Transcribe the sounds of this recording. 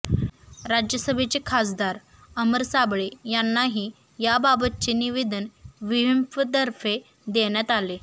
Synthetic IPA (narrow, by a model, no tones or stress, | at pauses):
ɾad͡ʑjəsəbʱet͡sekʰas̬d̪aɾ | əməɾsabɭejanːaɦiː | jababət̪̚t͡ɕeniʋed̪ʱənʋiʋimfət̪əɾfe | d̪eɳjat̪ale